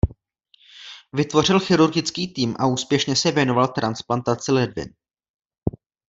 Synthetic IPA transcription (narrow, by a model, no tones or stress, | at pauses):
vɪt̪vo̞r̝ɪlxɪɾuɾɡɪt͡skiːt̪iːmʔa̰uːspjɛʃɲɛsɛvjɛno̞valt̪ɾansplant̪at͡sɪlɛdvɪ̰n